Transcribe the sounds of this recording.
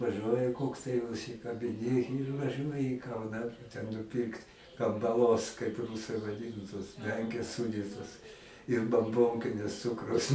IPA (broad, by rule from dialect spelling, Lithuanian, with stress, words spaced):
ʋɐˈʒuɔjɛ ˈkoːks tɐɪ ʊʃʲsʲɪkɐbʲɪˈnʲɪ ɪr ʋɐˈʒuɔjɪ iː ˈkɐʊnɑː tʲɛn nʊˈpʲɪrkt kɐmbɐˈlˠoːs kɐɪp ˈruːsɐɪ ʋɐˈdʲɪnʊ toːs ˈmʲɛŋʲkʲeːs ˈsuːdʲiːtoːs ɪr bɐmˈboːŋʲkʲɪnʲɪs ˈt͡sʊkrʊs